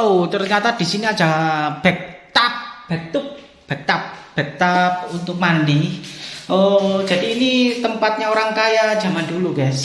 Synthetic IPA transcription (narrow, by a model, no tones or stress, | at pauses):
ut̪ərɲat̪ad̥i̤siniḁd͡ʒ̥ab̥ɛk̚t̪ap̚b̥ə̤t̪ʊk̚ | b̥ɛk̚t̪ap̚b̥ɛk̚t̪ap̚unt̪ʊk̚mandɪŋo̥d͡ʒ̥a̤diːnit̪əmpat̪̚ɲaoɾaŋkajad͡ʒ̥amanduluɡas